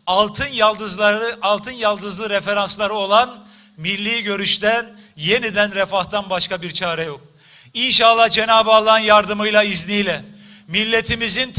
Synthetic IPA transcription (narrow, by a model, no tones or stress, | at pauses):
alˠt̪ʰɯnjalˠd̪ɯzlˠaɾɯʔalˠt̪ʰɯnjalˠd̪ɯzlˠɯɾefe̞ɾanslˠaɾɯo̞lˠan | milʲːiːɟø̞ɾyʃt̪æn | je̞nid̪ænɾefaht̪anbaʃkabiɾt͡ʃʰaːɾɛjo̞k̚ | inʃanlˠːahd͡ʒe̞naːbɯalˠanjaɾd̪ɯmɯjlˠaiznijlʲɛmilʲːe̞t̪ʰimizin